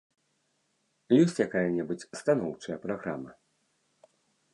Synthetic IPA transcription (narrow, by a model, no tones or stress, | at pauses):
jɔsʲt͡sʲjakajɐnʲɛbɨt͡sʲst̪anɔwt͡ʂɐjɐpɾaɣɾa̰mɐ